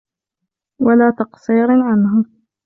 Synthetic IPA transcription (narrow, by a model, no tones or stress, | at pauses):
walaːt̪ɑqsˤiːɾʕanɦa